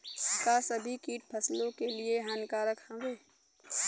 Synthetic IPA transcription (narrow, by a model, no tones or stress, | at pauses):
pəkaːsəbʱikiːʈ̚pʰɐslõkelieɦankaːɾəkhɐ̃ʋeː